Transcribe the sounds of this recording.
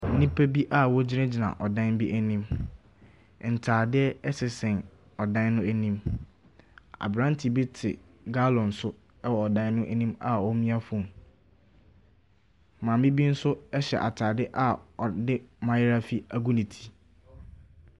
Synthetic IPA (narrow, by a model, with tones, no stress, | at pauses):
nĩ˦pʰe˦bi˦ʔa˦wɔ˦d͡ʑɪ˦ɾã˦d͡ʑi˨nã̰˨ʔɔ˨dã˦nbi˦ʔæ˦nĩ˦m˨ | n̩˨tʰaː˨dɪ˦ɛ˦ɛ˦sɪ˨sɪ̃˨n | ɔ˨dã˦nnʊ̃˦æ˦nĩ˦m | a̰˨bɾã˦n˦tʰi˨bɪ˦tʰɪ̰˨ | ɡa˦lɔ̃˨n̩˨sʊ˦ | ɛ˦wɔ˨ɔ˨dã˦n˦nʊ̃˦ʔæ˦nĩ˦ma˨ɔ˦mĩ˦a˦fʊ̃˦˨ | mã˨mbĩ˦bi˦n̩˦sʊ˦ɛ˦ɕɛ̰˨ʔa˨tʰaː˨dɪ˦ʔa˨ɔ˨dɪ˦mã˨˦jɪ˦ɾa˦fi˦a˦˨ɡu˦nĩ˨tʰi̥˨